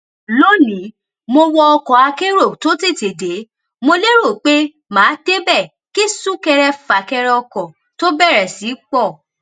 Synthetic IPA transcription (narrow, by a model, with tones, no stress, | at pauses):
lo˦nĩ˨˦ | mo˧wɔ˧ɔ˧kɔ˨a˧ke˦ɾo˦˨to˦te˦˨te˨de˨˦ | mo˧le˦ɾo˦˨k͡pe˦ | mãː˨˦d̥e˦bɛ˦˨ | ki˦sũ˦kɛ˧ɾɛ˧fa˨kɛ˧ɾɛ˧ɔ˧kɔ̃˨ | to˦bɛ˦˨ɾɛ˨si˨˦k͡pɔ˦˨